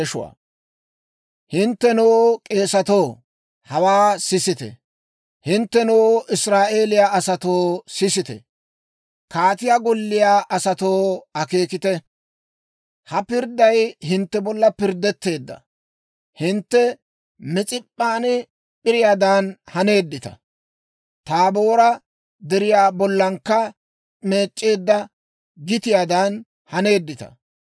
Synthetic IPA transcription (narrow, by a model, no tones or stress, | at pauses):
ɛʃʊwa̰ː | hɪnt̪ːɛnoːkʼe̞ːsɐt̪o̞ː | hɐwaːsɪsɪt̪ɛ̰ | hɪnt̪ːɛnoːʔɪsɾaːʔe̞ːlɪjaːɐsɐt̪o̞ːsɪsɪt̪ɛ̰ | kaːt̪ɪjaːɡɔlːɪjaːʔɐsɐt̪oːɐke̞ːkɪt̪ɛ | hɐpɪɾd̪ːɐjhɪnt̪ːɛbɔlːɐpɪɾd̪ːɛt̪ːe̞ːd̪ːɐ̰ | hɪnt̪ːɛ | mɛt͡sʼɪpʼːaːnɛ | pʼɪɾɪjaːd̪aːnhɐne̞ːd̪ːɪt̪ɐ̰ | t̪aːbo̞ːɾɐ | d̪ɛɾɪjaːbɔlːɐŋkːɐ | me̞ːt͡ʃʼːeːd̪ːɐ | ɡɪt̪ɪjaːd̪aːn | hɐne̞ːd̪ːɪt̪ɐ̰